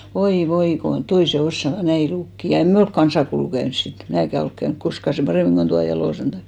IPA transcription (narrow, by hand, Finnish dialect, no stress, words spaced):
oi ʋoi kon toise osːɑʋɑ næi lukːi jɑ en me olk kɑnsɑkoulu kæyns sit mnæːkæ olk kæynk koskɑ seˑm pɑreˑmiŋ ko tuɑ jɑlosen tɑim